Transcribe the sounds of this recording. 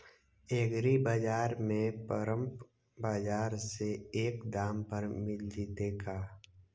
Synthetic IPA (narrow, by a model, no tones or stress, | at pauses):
eːɡɾibad͡ʒaːɾmẽpəɾə̃mp | baːd͡ʒaːɾseeːkd̪aːmpɐɾmɪld͡ʒit̪eːɡaː